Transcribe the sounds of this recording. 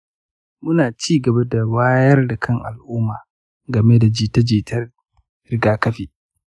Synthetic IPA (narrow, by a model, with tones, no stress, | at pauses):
mʊ˦naː˨t͡ʃiː˦ɡɐ˨ba˦da˨waː˦jɐ˦rda˨kʰɐ˦˨ŋʔa̰˨lʔʊː˦maː˨ | ɡɐ˨me˦da˨d͡ʒi˦˨tɐ˦d͡ʒiː˨tʰɐ˦ | ɾɪ˦ɡaː˦kɐ˦ɸiː˨